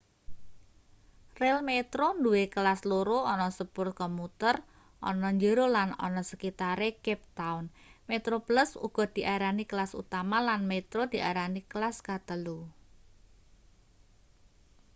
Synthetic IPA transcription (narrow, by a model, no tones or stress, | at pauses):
rɛlmet̪ɾonduwekəlasloɾoɔnɔsəpʊrt̚kɔmut̪ər | ʔɔ̰nɔɲd͡ʒəɾolanɔ̰nɔsəkit̪aɾekɛp̚t̪aunmet̪ɾopləsṵɡ̥ɔ̤d̪̥i̤ʔaɾanikəlasṵt̪amalanmet̪ɾod̪̥i̤aɾaniklaskat̪əlu